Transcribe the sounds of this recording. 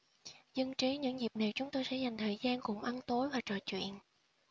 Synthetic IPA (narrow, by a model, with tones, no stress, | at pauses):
zə˧ŋt͡ɕi˨˦ɲɨ̰˧˥ŋzi˨˩p̚naː˨˩wt͡ɕʊ˨˦ŋ͡mt̪o˧jsɛ̰˧˥za˨˩jŋ̟t̪ʰəː˨˩jzaː˧nkʊ̰˧˩ŋ͡mʔa˧nt̪o˨˦jvaː˨˩t͡ɕɔ˧˩t͡ɕwḭ˧˨ən